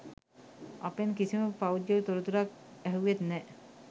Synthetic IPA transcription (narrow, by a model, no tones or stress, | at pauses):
a̰penkisimapawd͡ʒjoɾt̪oɾut̪uɾak̚ɛɦuet̪nɛʔ